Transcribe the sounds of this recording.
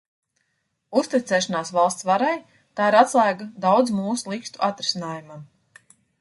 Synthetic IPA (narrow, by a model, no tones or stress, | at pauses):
ust̪it̪sɛːʃɔnaːsvalˠst̪svaɾaj | t̪aːiɾat̪slˠaːɡad̪awd̪zmuːsulˠikst̪uʔat̪ɾisʲinaːjumam